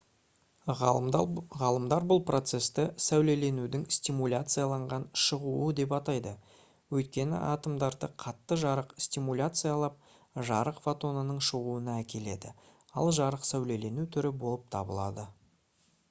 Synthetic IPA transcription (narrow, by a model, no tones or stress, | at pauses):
ʁɑlˠəmd̪ɑɾbʊlˠpro̞t̪se̞st̪ɪsæwle̞le̞nud̪ɪŋst̪imulʲat̪sɨjalˠɑɴʁɑnʃəʁuəd̪e̞p̬ɑt̪ɑjd̪ə | wɵjt̪̚kʲe̞nɪ̰ʔɑt̪əmd̪ɑɾd̪əqʰɑt̪ːəʒɑɾəqst̪ʲimulʲat̪sɨjalˠɑp̚ | ʒɑɾəqfot̪o̞nənəɴʃəʁuənɑækʲe̞le̞d̪ɪ̰ | ɑ̰lˠʒɑɾəqsæwle̞le̞nut̪ʰʏɾɪbo̞lˠəp̚t̪ʰɑbə̰lˠɑ̰d̪ə